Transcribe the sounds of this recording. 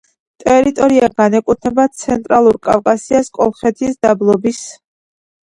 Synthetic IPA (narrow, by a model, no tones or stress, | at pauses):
t̪ʼɛɾit̪ʼɔɾiaɡanɛkʼut̪ʰnɛbat̪sʰɛnt̪ʼɾalˠuɾkʼa̰fkʼasiaskʼɔ̰lˠχɛt̪ʰisd̪̥ablˠɔbis